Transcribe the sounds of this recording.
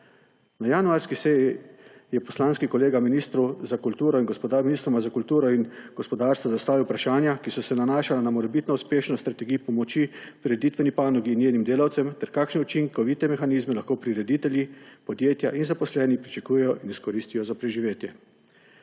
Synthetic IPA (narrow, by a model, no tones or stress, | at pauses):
najanuaɾskisɛjijɛpɔslanskikɔleːɡaminist̪ɾuzakult̪uːɾɔinŋɡɔspɔd̪aminist̪ɾɔmazakult̪uːɾɔinɡ̥ɔspɔd̪aːɾst̪ʋɔzast̪aːʋiwpɾaʃaːnjakisɔsɛnanaːʃalanamɔɾɛbit̪nɔuspeːʃnɔst̪ɾat̪ɛɡiːpɔmɔt͡ʃipɾiɾɛd̪it̪ʋɛnipaːnɔɡiːnjeːnimd̪eːlawt̪sɛmt̪ɛɾkaːkʃnɛut͡ʃiŋkɔʋit̪ɛmɛxaniːzmɛlaxkoːpɾiɾɛd̪it̪ɛljipɔd̪jeːt̪jaʔinzapɔslɛːnipɾit͡ʃakuːjɛjɔʔiniskɔɾiːst̪ijɔzapɾɛʒiʋeːt̪jɛ